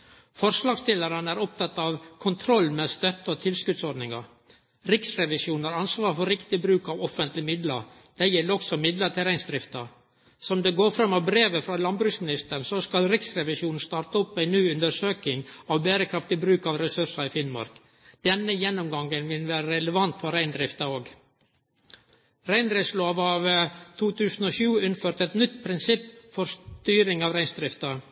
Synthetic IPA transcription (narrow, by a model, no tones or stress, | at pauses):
fɔɾʂlɑːɡst̪ɪlːəɾənəæɾɔp̚t̪ʰɑt̪ːɑʋkʰʊnt̪ʰɾɔlːmest̪œt̪ːəɔt̪ʰɪlskʉd̪t̪sɔɖnɪŋɑ̰ɾ | ɾɪksɾɛʋɪsjuːnhɑɾɑnsʋɑːɾfɔɾɪkt̪ɪbɾʉːkɑʋɔfːənt̪lɪmɪd̪lɑɾ | d̪̥æjɛlːəɾɔksɔmɪd̪lət̪ʰɪɾæɪnsd̪ɾɪft̪ɑ | sɔmd̪ɛɡoːɾfɾɑmːɑʋbɾeːʋəfɾɑlɑnbɾʉːksmɪnɪst̪əɳsɔskɑlɾɪksɾɛʋɪsjuːnn̩st̪ɑːɾt̪əɔpːæɪnyːʉnd̪əɾʂøːkɪŋɑʋbæːɾəkʰɾɑft̪ɪbɾʉːkɑʋɾɛsʉʂɑɪfɪnmɑ̰ɾk | d̪̥ɛnːəjɛnːʊmɡɑŋːənʋɪnʋæːɾəɾɛləʋɑnt̪fɔɾæɪnd̪ɾɪft̪ɑoːɡ | ɾæɪnd̪ɾɪsloːʋɑʋt̪ʰuːt̪ʰʉːsn̩ɔʃʉːʉnføːɾt̪ɛt̪nʏt̪ːpʰɾɪnsɪpːfɔɾst̪yːɾɪŋɑːʋɾæɪnsd̪ɾɪft̪ɑ